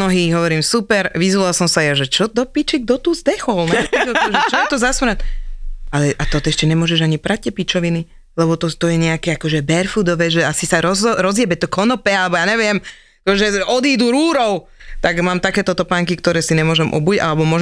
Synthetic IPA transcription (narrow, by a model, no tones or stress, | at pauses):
nɔɦiːɦɔʋɔɾiːmsupɛɾʋizʋɔalsɔmsajɛʒɛt͡ʃɔd̪ɔpit͡ʃɛɡ̚d̪ɔt̪uːzd̪ɛxɔlnɛtɛkʒɛt͡ʃɔt̪ɔzasmɾat̪alɛʔat̪ɔt̪iɛʃcɛɲɛmʊɔʒɛʒaɲipɾac̚cːɛpit͡ʃɔʋini | lɛbɔt̪ɔt̪ɔjɛɲɛakɛakɔʒɛbɛɾfud̪ɔʋɛːʒɛasisaɾɔzɾɔzjɛbɛt̪ɔkɔnɔpɛalɛbɔjaːɲɛʋɪɛm | kɔʒɛɔd̪iːd̪uɾuːɾɔʊ | t̪aɡmaːmt̪akɛːt̪ɔt̪ɔpaːŋkikt̪ɔɾɛːsiɲɛmʊɔʒɛmʔɔ̰buɟa̰lɛbɔmʊɔʒɛ